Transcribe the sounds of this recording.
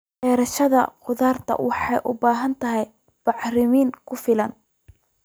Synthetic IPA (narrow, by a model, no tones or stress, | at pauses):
ʔɛːɾɐʃɐðɐ̰qʊðaːrt̪ʰɐ̰wɑħɑjʔʊbaːɦɐnt̪ʰɐɦɛj | b̥ɑħrɪmiːŋkʰʊfɪlɐn